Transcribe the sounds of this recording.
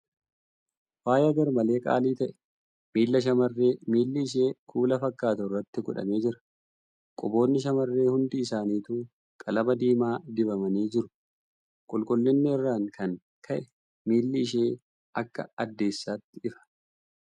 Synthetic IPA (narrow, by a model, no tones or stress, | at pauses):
waːjɐɡɐɾmɐle̞ːkʼa̰ːliːt̪ɐʔɛ̥ | miːlːɐʃ̬ɐmɐrːe̞ːmiːlːɪɪʃ̬e̞ːkʰuːlɐfɐkːaːt̪ɐɪrːɐt̪ːɪɡʊᶑɐ̰me̞ːd͡ʒɪɾɐ̥ | kʼʊbo̞ːnːɪʃ̬ɐmɐrːe̞ːhʊnd̪iːsaːniːt̪uː | kʼɐlɐmɐd̪iːmaːd̪ɪbɐmɐniːd͡ʒɪɾʊ | kʼʊlkʼʊlːɪnːɪɪrːaːŋkʰɐŋ | kʰɐʔɛ | miːlːɪɪʃ̬e̞ː | ɐkːɐ̰ɐd̪ːe̞ːsːaːt̪ːɪɪfɐ̥